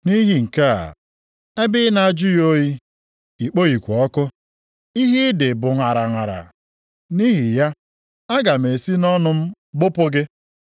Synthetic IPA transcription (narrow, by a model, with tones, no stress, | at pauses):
ni˦ɦi˨ŋ̩˨ka̰˦˨ | e˦bɪ˦na˨d͡ʒʊ˦jo˦ji˦ | i˨k͡po˦i˨kʷɔ˨ɔ˦kʊ˦ | i˦ɦi˦dɪ˨bʊ˨ŋa˨ɾa˨ŋʷa˨ɾa̰˨ | ni˦ɦi˨ja˦ | a˦ɡa˨me˨si˦nɔ˦nʊ˦m̩˦ | ɡ͡bʊ˦pʊ˦ɡɪ˦